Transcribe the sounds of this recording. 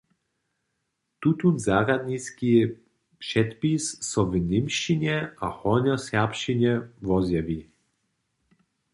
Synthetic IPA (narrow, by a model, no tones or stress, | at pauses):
t̪ut̪unzaːɾad̪ɲiski | pʂɛt̪pisːɔvnɪmʃiɲɛʔahɔnɔsapɕiɲɛvɔzjavi